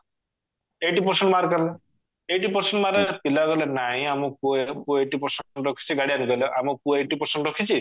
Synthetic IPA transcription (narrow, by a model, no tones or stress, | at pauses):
eʈipɔɾsɔɳʈmaɾkale | eʈipɔɾseɳʈmaɾep̪ilaɡɔlenaɦĩamɔkupueʈipɔɾsɔɳʈɔɾɔkʰi̥sʰiɡaɽianiɡɔleʔamɔpueʈipɔɾseɳʈɾɔkʰit͡ʃʰi